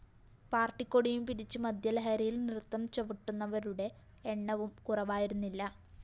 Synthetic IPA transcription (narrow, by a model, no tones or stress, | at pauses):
paːrʈːikʲːoɽijumpiɾit͡ɕːɨmɐd̪ʱjɐlɐɦɐɾɐjilnirt̪ːɐmt͡ɕeʋiʈːunːɐʋɐɾuɽe̞ː | ɳːɐʋumkurɐʋaːjiɾunːilːɐ